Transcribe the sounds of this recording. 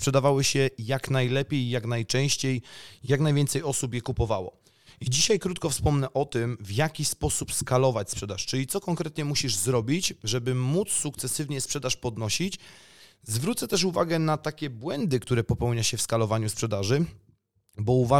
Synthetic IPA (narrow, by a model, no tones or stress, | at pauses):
spʂɛd̪avawɘɕɛjaknajlɛpʲjejːaknajt͡ʂɛ̃w̃ɕt͡ɕejjaknajvʲɛnt̪sɛjɔsupjɛkupɔvawɔ̰ | id͡ʑiɕajkɾut̪̚kɔfspɔmnɛʔɔt̪ɘmvjakʲispɔsupskalɔvat͡ɕspʂɛd̪aʂt͡ʂɘlʲit̪sɔkɔŋkɾɛt̪ɲɛmuɕiʐzɾɔbʲit͡ɕʐɛbɘmut̪sːukt̪sɛsɘvɲɛspʂɛd̪aʂpɔd̪nɔɕit͡ɕ | zvɾut̪sɛt̪ɛʂ̬uvaɡɛnat̪akʲɛbwɛnd̪ɘkt̪uɾɛpɔpɛwɲaɕɛfskalɔvaɲuspʂɛd̪aʐɘ | bɔuva